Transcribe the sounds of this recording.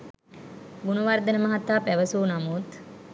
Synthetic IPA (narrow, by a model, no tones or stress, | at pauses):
bunuʋard̪ənəmɐɦat̪ːaːpæʋəsuːnamut̪